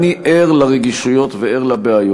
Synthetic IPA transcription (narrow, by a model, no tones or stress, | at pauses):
niʔeʁlaʁeɡiʃujo̞t̪veeʁlabeajo